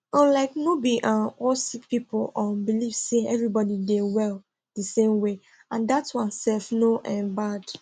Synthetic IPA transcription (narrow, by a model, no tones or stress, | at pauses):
ãnlaɪknobiʔãnɔsik̚pipolɔ̃mbilivseɛvɹibɔdidewɛl | d̥əsẽmwe | ãndatwãnsɛlfnoʔɛ̃nbad̥